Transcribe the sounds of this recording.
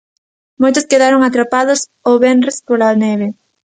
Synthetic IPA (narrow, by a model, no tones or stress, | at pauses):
mojt̪ʊskeðaɾoŋat̪ɾapaðʊs | oβɛnrespolaneβe